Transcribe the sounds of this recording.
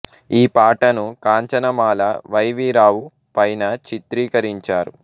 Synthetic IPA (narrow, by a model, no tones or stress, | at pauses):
iːpaːʈɐnukaːɲt͡ʃɐnɐmaːlɐʋɐjʋiːɾaːwu | pɐjnɐt͡ʃit̪ɾiːkɐɾiɲt͡ʃaːɾṵ